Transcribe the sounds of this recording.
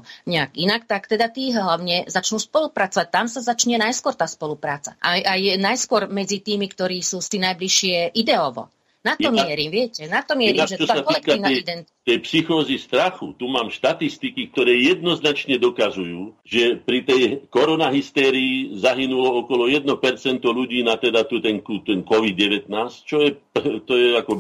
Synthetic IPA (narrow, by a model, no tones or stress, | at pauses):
ɲɛaɡinakt̪akt̪ɛd̪at̪iːɦɦlaʊɲɛzat͡ʃnuːspɔlupɾat͡sɔʋac̚t̪amsazat͡ʃɲɛnajskʊɔɾt̪aːspɔlupɾaːt͡saʔajʔajnajskʊɔɾmɛd͡zit̪iːmikt̪ɔɾiːsuːst̪inajbliʃɪɛʔid̪ɛɔʋɔ̰ | nat̪ɔmɪɛɾiʋɪɛcɛnat̪ɔmɪɛɾiaʒɛt͡ʃɔaakɔilɛkaiːʋnaɛid̪ɛnt̪ɛjpsixɔːzist̪ɾaxṵt̪umaːmʃt̪at̪ist̪ikik̚t̪ɔɾɛːjɛd̪̚nɔznat͡ʃɲɛd̪ɔkazujuːʒɛpɾit̪ɛjkɔɾɔnaɦist̪ɛːɾiːzaɦinulɔɔkɔlɔjɛd̪nɔpɛɾt͡sɛnt̪ɔluɟiːnat̪ɛd̪at̪ut̪ɛnkut̪ɛnkɔʋid̪ɟɛʋɛt̪naːst͡ʃɔjɛpt̪ɔjɛakɔ